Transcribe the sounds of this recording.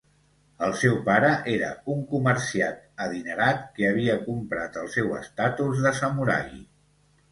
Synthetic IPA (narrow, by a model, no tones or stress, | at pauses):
əlˠsɛwpaɾəʔeɾə̰uŋkuməɾsiat̪əðinəɾat̪keəβ̞iəkumpɾat̪əlˠsɛwə̰st̪at̪uzðəsəmuɾa̰i